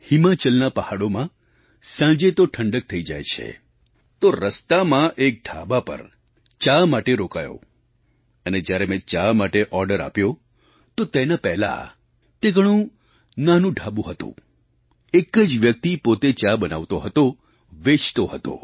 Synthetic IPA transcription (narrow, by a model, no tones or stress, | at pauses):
himat͡ʃəlnapəhaɽomã | sãd͡ʒet̪oʈʰəɳɖək̚t̪ʰəid͡ʒa̰jt͡ʃʰḛ | t̪oɾəst̪amãʔek̚ɖʱa̰bapə̰ɾ | t͡ʃamaʈeɾokajo̰ | əned͡ʒjaɾemɛ̃t͡ʃamaʈeʔɔɾɖəɾa̰pjo | t̪ot̪enapɛɦla̰ | t̪eɡʱəɽ̃ũ | nanũɖʱabũɦət̪ṵ̃ | ekəd͡ʒʋjək̚t̪ipot̪et͡ʃabəna̰ʋt̪oɦət̪o | ʋet͡ʃt̪oɦət̪o̰